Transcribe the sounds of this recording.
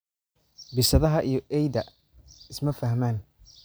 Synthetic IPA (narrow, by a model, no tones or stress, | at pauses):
bɪsɐðɐɦɐʔijɔʔɛjðɐ | ɪsmɐfɐhmaːn